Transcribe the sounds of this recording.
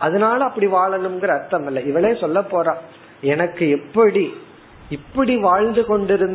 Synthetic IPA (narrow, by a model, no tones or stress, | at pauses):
ɐðɐnaːlɐɐpːɐɽiʋaːɭɐnɯmɡɪɾɐːɾt̪ːɐmɪlːɐɪʋɐɭeːsɔlːɐpːoːɾãː | ɛnɐkːɯɛpːɐɽi | ɪpːɐɽiʋaːɻnd̪ɯkɔɳɖɪɾɯn